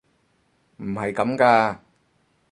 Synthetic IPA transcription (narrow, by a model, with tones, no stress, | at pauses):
m̩˨˩hɐ˨˩jkɐ˨˦mkaː˧